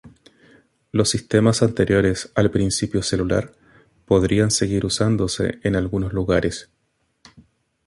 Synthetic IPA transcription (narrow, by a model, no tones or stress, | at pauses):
lo̞sːist̪e̞masant̪e̞ɾjo̞ɾesalpɾinsipjo̞se̞lula̰ɾ | po̞ðɾianseɣiɾusand̪o̞se̞̰ʔːnalɣunozluɣaɾʔes